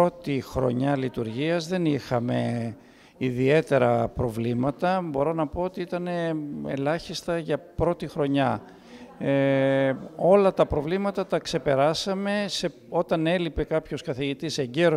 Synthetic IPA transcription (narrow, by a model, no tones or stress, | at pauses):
po̞t̪ixɾo̞̰ɲɐlit̪uɾʝiɐzðe̞nixɐme̞̰ | iðie̞t̪e̞ɾɐpɾo̞vlimɐt̪ɐbo̞ɾo̞nɐpo̞ot̪iit̪ɐne̞ḛlɐçist̪ɐʝɐpɾo̞t̪ixɾo̞ɲɐ | o̞lɐt̪ɐpɾo̞vlimɐt̪ɐt̪ɐkse̞pe̞ɾɐsɐme̞se̞ | o̞t̪ɐne̞lipe̞kɐpço̞skɐθiʝit̪ise̞ɲɟe̞ɾo